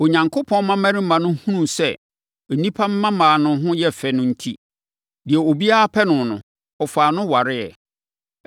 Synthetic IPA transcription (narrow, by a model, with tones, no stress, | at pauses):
o˨ɲã˨ŋkʰʊ˦pʰɔ̃˦n˦mã˦mæ̃˦ɾĩ˦mã˨nʊ̃˦hũ˦nũ˦˨sɛ˦˨ | nĩ˦pʰa˦m̩˦mã˦mãː˨nʊ̃˨˦ɦʊ̃˦jɛ˦fɛ˨nʊ̃˦n̩˦tʰi˦ | dɪ˨ɛ˨o˨bi˦a˦a˦pʰɛ˦nʊ̃˨nʊ̰̃˨ | ɔ˨faː˨nʊ̃˦wa˨ɾɪ˦ɛ˨